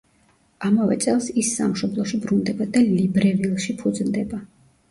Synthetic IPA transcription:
amavɛ̰t̪sʼɛlˠsisːa̰mʃɔblˠɔʃibɾund̪ɛbad̪alibɾɛvilˠʃipʰud̪znd̪ɛba

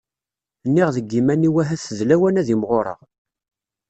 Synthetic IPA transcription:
nːiʁðəɡːimænːiwæɦæθəðlæwænæðimʁoɾˤə̰ʁ

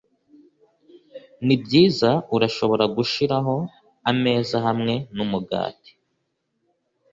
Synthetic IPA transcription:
nibɟiːzauɾaʃo̞βo̞ɾaɡuʃiɾaɦo̞ | ame̞ːzaɦamŋe̞numuɡa̰ːti̥

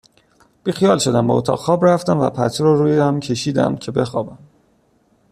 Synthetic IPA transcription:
b̥ixijɒːlʃo̞d̪æmbɒot̪ʰɒ̰ːɣxɒːbræft̪æmvæ̰pʰæ̰t̪ʰɾɔːɾuːjeæmcʰe̞ʃiːd̪æ̰mcʰe̞be̞xɒːbæm

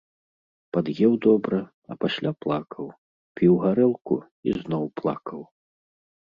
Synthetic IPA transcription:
pad̪jɛwd̪ɔbɾɐ | ɐ̰pasʲlʲaplˠakʰɐw | pʲiwɣaɾɛlˠkṵ | ḭznɔwplˠa̰kɐw

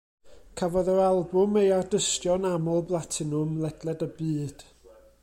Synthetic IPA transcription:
kʰavɔðəɾalˠbʊmejardəstjɔnamɔlˠblˠatʰɪnʊmlˠɛd̥lˠɛdəbɨːd̥

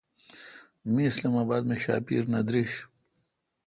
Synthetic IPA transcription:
miːslaːmaːbaːd̪meɕa̰ːpḭːɾnɐd̪ɾiɕ

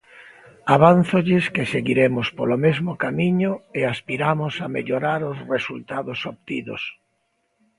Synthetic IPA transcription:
aβanθoʎɪskeseɣiɾemʊspolomezmokamiɲʊeaspiɾamosamḛʎoɾaɾosresult̪aðosop̚t̪iðo̰s

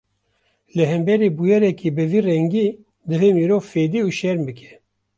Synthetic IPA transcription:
lɨɦɛmbɛɾiːbujɛɾɛkiːbɨviːrɛŋɡiː | d̪ɨveːmiːɾoːvfeːd̪iːuːʃɛɾmbɨkʰɛ̥

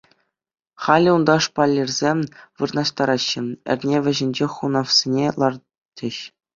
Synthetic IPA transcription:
χɑlʲiund̪ɑʂpɑlʲːerʲzʲemʲʋɯrnɑɕt̪ɑɾɑɕːɘ̆ɘ̰̆rʲnʲeʋʲɘ̆ʑɘ̆nʲd͡ʑeχunɑfsʲenʲelˠɑr | tʲʰːɘ̆ɕ

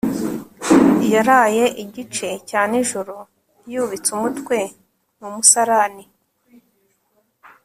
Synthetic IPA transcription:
jaɾaje̞ʔiɟit͡ʃe̞caːniʒuɾo | juβit͡sumutwe̞ | numusaɾani

